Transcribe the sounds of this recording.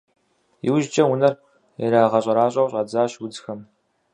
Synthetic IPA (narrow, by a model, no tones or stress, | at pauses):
jḭwʒt͡ʃʼɐwʊnɐr | ɛ̰ɾaːʁɐɕʼɐɾaːɕʼɐwɕʼɐd͡zaːɕwʊd͡zxɐm